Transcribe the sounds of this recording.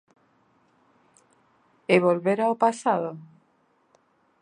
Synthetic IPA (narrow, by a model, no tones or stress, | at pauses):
eβolβeɾaopasaðo